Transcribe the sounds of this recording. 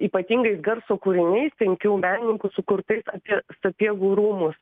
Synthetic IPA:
iːpɐt̪ʲiŋɡɐɪsɡɐɾsoːkuːɾʲɪnʲɛɪspʲɛŋʲkʲuːmʲæːnʲɪnʲɪŋkʊsʊkʊrt̪ɐɪsɐpʲiɛsɐpʲiɛɡuːɾuːmʊs

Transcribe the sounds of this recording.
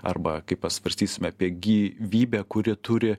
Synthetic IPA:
ɐ̰rbɐkɐɪppɐsʋɐɾʲsʲt̪ʲiːsʲɪmʲɐːpʲiɛɡʲiːʋʲiːbʲɛkʊɾʲɪt̪ʊɾʲɪ

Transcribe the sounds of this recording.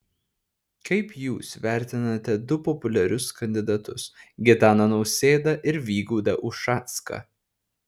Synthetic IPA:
kʰɐɪpjuːsʋʲæˑɾʲt̪ʲɪnɐt̪ʲɛd̪ʊpɔpʊlʲɛɾʲʊskɐnʲd̪ʲɪd̪ɐt̪ʊsɡʲɪt̪ɑːnɐnɒʊsʲeːd̪ɐʔɪɾʋʲiːɡuːd̪ɐʔʊʃʃɑːt̪skɐ̰

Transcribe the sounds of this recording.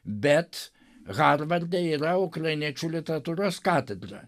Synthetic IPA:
bʲɛt̪ | ɣɑːɾʋɐɾʲd̪ʲɛiːɾɐʊkɾɐɪnʲiɛt͡ʃʲuːlʲɪt̪ʲɛɾɐt̪uːɾoːskɑːt̪ʲɛd̪ɾɐ̰

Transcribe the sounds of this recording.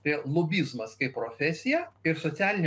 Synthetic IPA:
t̪ɐɪlˠobʲiːzmɐskɐɪppːɾoːfʲæsʲɪjɛɪɾsoːsʲæːlʲɪnʲ

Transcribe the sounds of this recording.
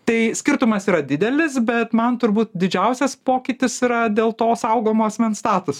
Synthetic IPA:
t̪ɐɪsʲkʲɪɾt̪ʊmɐsiːɾɐd̪ʲɪd̪ʲɛlʲɪsbʲɛt̪mɐnt̪ʊɾbuːt̪d̪ʲɪd͡ʒʲɛʊsʲɛspoːkʲɪt̪ʲɪsiːɾɐd̪ʲeːlˠt̪oːsɐʊɡoːmoːɐsʲmʲɛnst̪ɑːt̪ʊs

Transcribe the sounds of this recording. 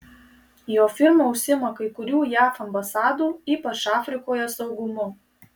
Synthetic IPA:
joːfʲɪɾmoʊʃʲsʲɪmɐkɐɪkʊɾʲuːjæːfɐmbɐsɑːd̪uːiːpɐt͡ʃɑːfʲɾʲɪkoːjɛsɒʊɡʊmʊ

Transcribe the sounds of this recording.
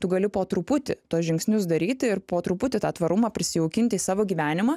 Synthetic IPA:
t̪ʊɡɐlʲɪpoːt̪ɾʊpʊt̪ʲɪ̰t̪uɔsʒʲɪŋksʲnʲʊsd̪ɐɾʲiːt̪ʲɪɪɾpoːt̪ɾʊpʊt̪ʲɪt̪ɑːt̪ʋɐɾʊmɑːpʲɾʲɪsʲɪɛʊkʲɪnʲt̪ʲɪiːsɑːʋoːɡʲiːʋʲæːnʲɪmɑː

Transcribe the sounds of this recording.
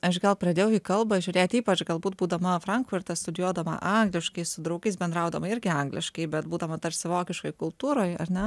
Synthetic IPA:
ɐʃɡɐlˠpɾɐdʲeːjɛʊiːkɐlˠbɐʒʲʊɾʲeːt̪ʲiːpɐt͡ʃɡɐlˠbuːt̪̚buːd̪ɐmɐfɾɐŋkfʊɾt̪ɐst̪ʊd̪ʲɪjuɔd̪ɐmɐ̰ʔɐŋɡlʲɪʃkɐɪsʊd̪ɾɐʊɡɐɪsbʲɛnd̪ɾɐʊd̪ɐmɐɪɾʲɡʲɪɐŋɡlʲɪ̰ʃkɐɪbʲɛt̪buːd̪ɐmɐt̪ɐrpsʲɪʋoːkʲɪʃkoɪkʊlˠt̪uːɾoːjɐɾnʲɛ

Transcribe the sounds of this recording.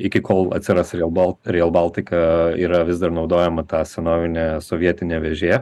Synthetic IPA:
ɪkʲɪkoːlˠɐ̰t̪ʲsʲɪɾɐsɾʲelˠbɐlˠɾʲeːɛlˠbɑːlˠt̪ʲɪkɐiːɾɐʋʲɪzd̪ɐɾnɒʊd̪oːjɛmɐt̪ɑːsʲɛnoːʋʲɪnʲeːsoːʋʲiɛt̪ʲɪnʲeːʋʲɛʒʲeː

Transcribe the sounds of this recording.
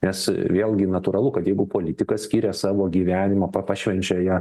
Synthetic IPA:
nʲɛsʋʲeːlˠɡʲɪnɐt̪uːɾɐlˠʊkɐt̪jɛɪɡʊpoːlʲɪt̪ʲɪkɐssʲkʲiːɾʲɛsɑːʋoːɡʲiːʋʲæːnʲɪmɐːpɐpɑʃʲʋʲɛnʲt͡ʃʲɛjæː

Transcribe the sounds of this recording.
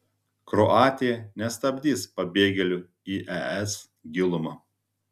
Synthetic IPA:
kɾɔʔɑːt̪ʲɪjɛnʲɛst̪ɐbʲd̪ʲiːspɐbʲeːɡʲɛlʲʊ | iːʔɛɛs | ɡʲɪlˠʊmɐ

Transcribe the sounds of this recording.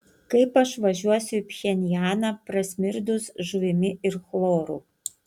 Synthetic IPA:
kɐɪpɐʃʋɐʒʲuɔsʲʊipʲxʲɛnʲɪjæːnɑpɾɐsʲmʲɪɾd̪ʊsʒʊʋʲɪmʲɪɪɾxlˠoːɾṵː

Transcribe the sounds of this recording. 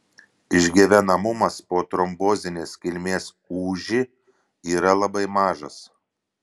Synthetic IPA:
ɪʒʲɡʲɛʋʲɛnɐmʊmɐspoːt̪ɾɔmboːzʲɪnʲeːskʲɪlʲmʲeːs | uːʒʲi | iːɾɐlˠɐbɐɪmɑːʒɐ̰s

